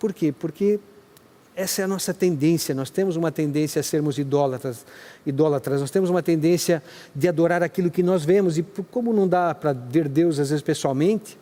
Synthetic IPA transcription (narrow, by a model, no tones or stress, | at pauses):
poɾkepoɾkɪ | ɛsɐɛɐnɔsɐt̪ẽnd̪ẽsjɐnɔst̪ẽmʊzũmɐt̪ẽnd̪ẽsjɐseɾmʊzid̪ɔlɐt̪ɾɐsid̪ɔlat̪ɾɐznɔst̪ẽmʊzũmɐt̪ẽnd̪ẽsjɐ | d̪ɪad̪oɾaɾakilʊkɪnɔzvẽmʊz̬ɪkõmʊnɐ̃w̃d̪apɾɐveɾd̪ewzazvezɪspesuawmẽnt̪ɪ̥